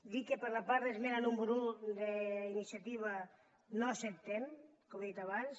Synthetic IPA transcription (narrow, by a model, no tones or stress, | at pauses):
d̪ikepeɾlapaɾðezmenanumbuɾud̪einisjat̪iβ̞a | noasep̚t̪emkomeðit̪aβans